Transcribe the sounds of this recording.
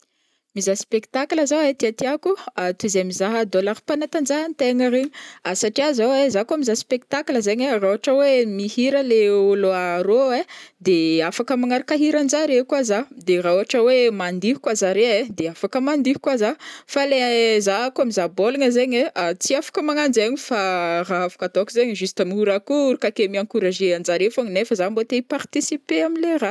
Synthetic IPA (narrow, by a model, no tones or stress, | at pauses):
mizaspekt̪akləzawet̪iat̪iakuat̪uzemizaɦəd̪olaɾpanat̪and͡ʒaɦənt̪eŋəɾeɲasaʈ͡ʂiazawezakuamizaspek̚t̪akləzeɲarauaʈ͡ʂəwemihiɾəleuloaɾoed̪eafakəmaŋaɾakaɦiɾand͡ʒaɾekwazad̪erauaʈ͡ʂəwemand̪iɦu̥kwazaɾeed̪eafakəmand̪iɦu̥kwazafalezaakuamizabolaɲəzeɲeat͡siafḁkəmaŋand͡ʒaɲifaraavḁkad̪okuzeɲʒust̪amiuɾakuɾukakemiaŋkuɾaʒeand͡ʒaɾefaɲnefəzambot̪eipart̪isipeamilera